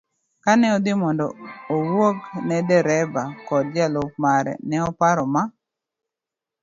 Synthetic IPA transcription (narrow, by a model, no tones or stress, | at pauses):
kanɛɔd̪ɪmɔndɔowoknɛdɛɾɛbakɔd̚d͡ʒalop̚maɾɛ̰nɛɔpaɾɔma